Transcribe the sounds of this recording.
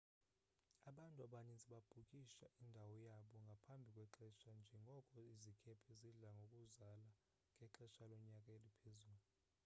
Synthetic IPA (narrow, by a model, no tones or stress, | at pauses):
aɓantʼuaɓanisʼiɓab̥ʱukʼiʃaʔindʱawɔjaɓɔŋɡʱapʰambʱikʼwɛǁɛʃand͡ʒʱɛŋɡʱɔkʼɔizikʰɛpʰɛziɮaŋɡʱokʼuzala | ŋʱɛǁɛʃalɔɲakʼaelipʰezuːlu